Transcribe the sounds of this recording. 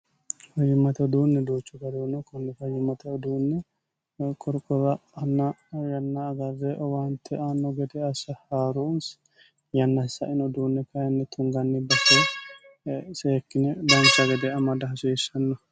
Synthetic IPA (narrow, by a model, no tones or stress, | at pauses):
fɐjɪmɐt̪ɛd̪uːnːɛd̪oːt͡ʃːɔɡɐd̪uːnːɛkʊnːɛfɐjːɪmɐt̪ɛɔd̪uːnːɛ | kʼɔɾkʼɔɾɐɐnːɐjɐnːɐːɡɐrːeʔɔwant̪ʰːɛʔanːɔɡɛd̪ɛɐsɐhaːɾuns | jɐnːɐhɪsːɐ̰ʔɪnɔd̪uːnːɛkɐjɐnːɛt̪ʰʊŋɡɐnːɪbɐtːe | seːkːɪnɛd̪ɐnt͡ʃːɐɡɛd̪ɛɐmɐd̪ɐɦɐseɪsɐnːɔ